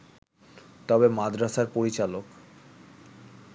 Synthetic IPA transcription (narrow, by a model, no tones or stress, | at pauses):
t̪ɔbemad̪ɾaʃaɾpoɾit͡ɕalok